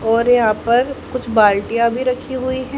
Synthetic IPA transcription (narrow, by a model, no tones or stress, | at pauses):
ɔːɾjɐɦãːpɐɾkʊt͡ʃʰbaːlʈijabʱiɾɐkʰiɦuiɦɛː